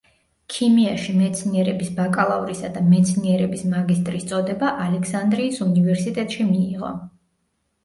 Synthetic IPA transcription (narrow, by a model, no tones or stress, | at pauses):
kʰimiaʃimɛt̪sʰniɛɾɛbisbakʼalˠavɾisad̪amɛt̪sʰniɛɾɛbismaɡist̪ʼɾist̪sʼɔd̪ɛbaʔalɛkʰsand̪ɾiːsunivɛɾsit̪ʼɛt̪ʼʃimiːʁɔ̰